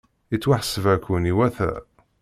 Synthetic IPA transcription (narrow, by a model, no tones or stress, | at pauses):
it͡sːwaħsəvækʷːuniwæθæ̰